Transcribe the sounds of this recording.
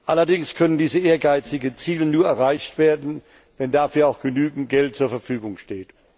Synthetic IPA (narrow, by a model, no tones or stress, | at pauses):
ʔalɐdɪŋskʰœnəndiːzəeːɐɡaɪt͡sɪɡənt͡siːlənuːɐɛɐʁaɪçtv̥eːɐdn̩ | vɛndaːfyːɐaʊxɡ̥ənyːɡŋ̩t̚ɡ̥ɛltt͡suːɐfɛɐfyːɡʊŋʃteːt